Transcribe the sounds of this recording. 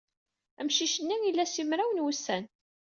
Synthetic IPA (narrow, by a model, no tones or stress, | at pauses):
æmʃiʃənːiilːæsimɾawənwusːæn